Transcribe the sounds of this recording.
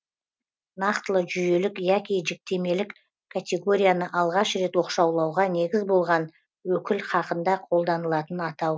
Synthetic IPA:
nɑqt̪əlˠəʒʏje̞lɪkjɑkʲijʒek̚t̪e̞me̞lɪk | kʰat̪ʲe̞ɡo̞ɾʲijanəʔɑlˠʁɑʃɾe̞t̪wo̞qʃɑwlˠɑwʁɑne̞ɡʲɪzbo̞lˠʁɑn | wɵkʲɪlχɑqənd̪ɑqʰo̞lˠd̪ɑnəlˠɑt̪ənɑt̪ɑw

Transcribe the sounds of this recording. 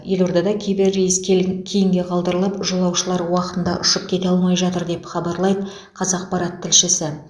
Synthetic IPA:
je̞lo̞ɾd̪ɑd̪ɑkʲʰebɪɾeskʲkʲʰejɪŋɡʲe̞qʰɑlˠd̪əɾəlˠəpʒolˠɑwʃəlˠɑɾwɑqət̪ənd̪ɑʔʊʃəp̚kʲʰe̞t̪eɑlˠmɑjʒɑt̪əɾd̪e̞pχɑbɑɾlˠɑjd̪ə | qʰɑzɑq̚pɑɾɑt̪ʰːɪlʃɪsɪ

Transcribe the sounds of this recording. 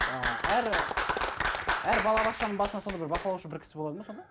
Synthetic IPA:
əæɾ | æɾbɑlˠɑbɑq̪ʃɑnəɴbɑsənɑsod̪ɑbɪɾbɑqəlˠɑwuʃəbɪɾkʲʰɪ̥sɪboɑd̪əmɑso̞nd̪ɑ

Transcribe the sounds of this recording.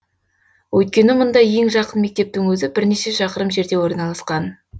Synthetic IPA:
wʔɵjt̪̚kʲe̞nɪmʊnd̪ɑje̞ŋʒɑqənme̞k̚t̪e̞p̚t̪ɪŋwɵzɪbɪɾne̞ʃe̞ʃɑqəɾəmʒe̞ɾd̪e̞wo̞ɾnɑlˠɑsqɑn

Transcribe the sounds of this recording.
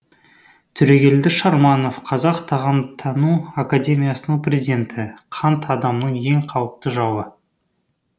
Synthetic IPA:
t̪ʰʏɾeɡʲe̞ld̪ɪʃɑɾmɑno̞fqʰɑzɑqt̪ʰɑʁɑmt̪ʰɑnuakadʲe̞mʲijasənəɴprʲezid̪ʲe̞nt̪ʰɪqʰɑnt̪ʰɑd̪ɑmnəɴe̞ŋqʰɑwəp̚t̪əʒɑwə

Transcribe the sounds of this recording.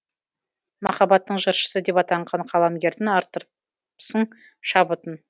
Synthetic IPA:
mɑ̰χɑbɑt̪ːəɴʒəɾʃə̥səd̪e̞pɑt̪ɑɴʁɑɴqʰɑlˠɑmɡʲe̞ɾd̪ɪnɑɾt̪əɾ | səɴ | ʃɑbət̪ən

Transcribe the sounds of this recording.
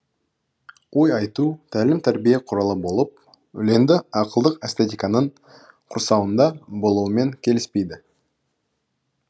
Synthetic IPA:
wo̞jɑjt̪ut̪ʰælɪmt̪ʰæɾbijeqʰʊɾɑlˠəbo̞lˠəp̚ | ʏle̞nd̪ɪɑqəlˠd̪əqæst̪et̪ʲijkɑnəɴ | qʰʊɾsɑwənd̪ɑbo̞lˠuəme̞ŋkʲʰe̞lɪspe̞jd̪ɪ

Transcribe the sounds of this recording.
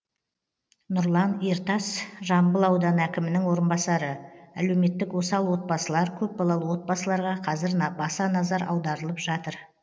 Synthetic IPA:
nʊɾlˠɑniɾt̪ɑsʒɑmbəlˠɑwd̪ɑnækʲɪmɪnɪŋwo̞ɾənbɑsɑɾəæ̰le̞wme̞t̪ːɪkwosɑlˠwo̞t̪̚bɑsəlˠɑɾkʲʰɵp̚bɑlˠɑlˠəwo̞t̪̚bɑsəlˠɑɾʁɑqʰɑzɪɾbɑsɑnɑzɑɾʔɑ̰wd̪ɑɾəlˠəpʒɑt̪əɾ

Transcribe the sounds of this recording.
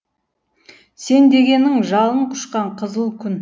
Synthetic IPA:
se̞nd̪e̞ɡʲe̞nɪŋʒɑlˠəɴqʰʊ̥ʃqɑɴqʰəzəlˠkʲʰʏn

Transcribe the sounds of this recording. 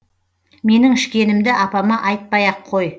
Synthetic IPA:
me̞nɪŋɪʃkʲe̞nɪmd̪ɪʔɑpɑmɑʔɑjt̪̚pɑjɑqʰːo̞j

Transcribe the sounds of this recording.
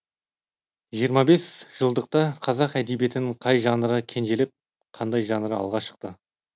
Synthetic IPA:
ʒijəɾmɑbe̞sʒ̥əlˠd̪əq̚t̪ɑqʰɑzɑqæd̪ebije̞t̪ɪnɪɴqʰɑjʒɑnəɾəkʲʰe̞nʒe̞lɪp̚ | qʰɑnd̪ɑjʒɑnəɾəɑ̰lˠʁɑʃə̥qt̪ə

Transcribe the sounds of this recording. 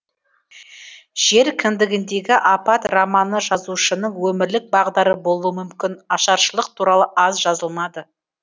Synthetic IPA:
ʒ̥e̞ɾkʲʰɪnd̪ɪɡʲɪnd̪e̞ɡʲɪʔɑpɑt̪rɑmɑnəʒɑzuʃənəɴwɵmɪɾlɪk̚bɑʁd̪ɑɾəbo̞lˠuəmʏmkʲɪnɑʃɑɾʃəlˠəq̚t̪ʰuɾɑlˠəʔɑzʒɑzəlˠmɑd̪ə

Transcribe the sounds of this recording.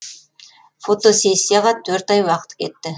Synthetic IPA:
fo̞t̪o̞se̞sʲːijɑʁɑt̪ʰɵɾt̪ɑjwɑqə̥t̪kʲʰe̞t̪ːɪ

